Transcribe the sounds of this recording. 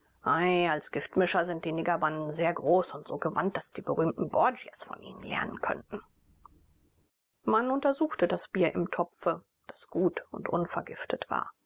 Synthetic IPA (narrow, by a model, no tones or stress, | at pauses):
ʔaɪalsɡ̥ɪftmɪʃɐzɪnt̚d̥iːneːɡɐbandn̩zeːɐɡʁoːsʊntz̥oːɡəva̰nt̚d̥asd̥iːbəʁyːmtn̩bɔɐd͡ʒjɐ̰sfɔ̰nʔḭːnənlɛ̰ɐnə̰nkʰœ̰ntn̩ | manʊntɐzuːxtədasb̥iːɐʔɪmtʰɔpfə | d̥ḁsɡ̥uːtʊ̰ntʔʊnfɐɐɡɪftʰətv̥a̰ːɐ